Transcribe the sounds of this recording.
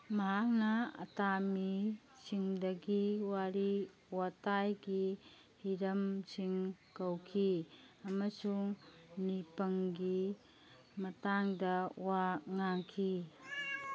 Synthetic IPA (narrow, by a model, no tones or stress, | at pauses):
mɐɦak̚nɐɐ̰tami | siŋdɐɡiwaɾi | watajɡi | hiɾɐmsiŋkɐwkʰi | ɐmɐsuŋnipɐŋɡi | mɐtaŋdɐwaŋaŋkʰi